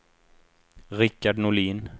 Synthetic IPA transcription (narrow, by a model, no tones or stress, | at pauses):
ɾɪkːaɖnʊɭiːn